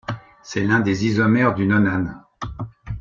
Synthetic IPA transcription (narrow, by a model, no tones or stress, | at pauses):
sɛlɛ̃d̪ezizɔmɛʁd̪ynɔnan